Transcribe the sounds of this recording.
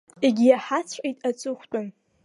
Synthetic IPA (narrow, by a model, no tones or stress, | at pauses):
eɡʲijaħat͡sʷʰħʼejtʼat͡sʼɨχʷt͡pʷʼʊn